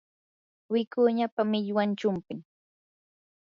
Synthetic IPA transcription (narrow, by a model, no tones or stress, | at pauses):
wɪkʊɲapamɪʎwant͡ʃʊmpɪŋ